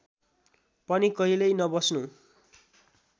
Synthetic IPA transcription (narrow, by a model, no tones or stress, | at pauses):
pʌnikʌɦilʌjnʌbʌsnu